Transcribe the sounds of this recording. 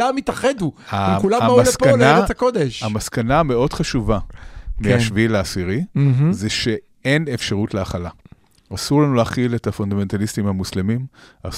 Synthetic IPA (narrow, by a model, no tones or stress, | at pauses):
amit̪aχeduamulamamalspkanaakod̪eʃamaskaname̞o̞d̥χaʃuvameaʃvilaːsiʁizeʃe̞ | enefʃaʁutleaχala | asuʁlanuleːχiletafond̪ame̞nt̪alistimhamuslimima̰